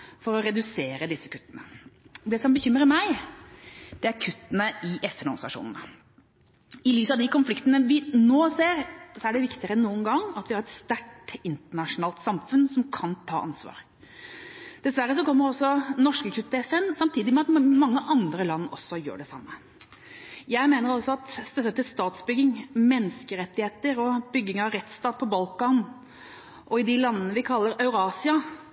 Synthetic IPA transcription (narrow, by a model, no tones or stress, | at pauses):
fɔɾɔɾɛd̪ʉseːɾəd̪ɪsːəkʰʉt̪ːənəd̪ɛsɔmbəçʏmːɾəmæɪ | d̪ɛæɾkʰʉt̪ːənəʔɪʔɛfɛnɔɾɡsɑ̰ʂṵːnənə | ɪlyːsɑʋd̪ɪkɔnflɪkt̪ənəʋɪnoːseːɾsɔæɖɛʋɪkt̪ɪəɾənuːənɡɑŋːɑt̪ʋɪhɑɾɛt̪st̪æʈɪnt̪əɳɑʂʊnɑːlt̪sɑmfʉnsɔmkʰɑnt̪ʰɑːʔɑnsʋɑ̰ːɾ | d̪̥ɛsʋæɾːəsɔkɔmːəɾɔsːɔnɔʂkəkʰʉt̪ɛfɛnsɑmt̪ʰiːd̪ɪmɛɑt̪mɑŋːəʔɑnd̪ɾəlɑnːɔsːɔjø̰ːɖɛsɑ̰mːə | jæɪmeːnəɾɔsːɔɑt̪st̪œt̪ːət̪ɪlst̪ɑːt̪sbʏɡːɪŋmɛnːəskəɾɛt̪ːɪheːt̪əɾɔbʏɡːɪŋɑʋɾɛt̪st̪ɑːt̪̚pʰɔbɑlkɑːn | ʔɔɪd̪ɪlɑnːənəʋɪkʰɑlːəɾɑʉɾɑːsɪɑ